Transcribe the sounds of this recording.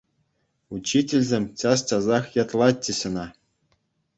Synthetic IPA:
ut͡ɕːitʲĕlʲzʲemʲt͡ɕɑst͡ɕʲɑzɑχjɑt̪lˠɑtʲːɘ̆ɕɤ̆nɑ

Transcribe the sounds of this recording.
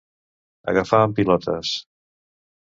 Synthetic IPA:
ə̰ɣəfaəmpilɔt̪ʰə̰s

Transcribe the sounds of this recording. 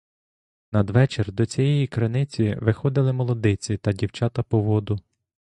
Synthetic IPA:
nɐd̪ʋɛt͡ʃerd̪ɔt͡sʲijɛjikɾenɪt͡sʲiʋɪxɔd̪ɪlˠɪmɔlˠɔd̪ɪt͡sʲit̪ɐdʲiwt͡ʃɑt̪ɐpɔʋɔd̪ʊ

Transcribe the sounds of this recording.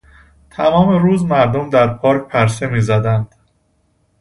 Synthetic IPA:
t̪ʰæmɒːmeɾuːzmæɾd̪omd̪æɾpʰɒːɾc̚pʰæɾse̞miːzæd̪ænd̪̥

